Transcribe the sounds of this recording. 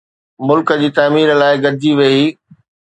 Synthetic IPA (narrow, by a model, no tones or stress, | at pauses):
mʊlkə̆d͡ʑiːt̪aːmiːɾlaːɪɡɐɾd̪ʱiʋeiː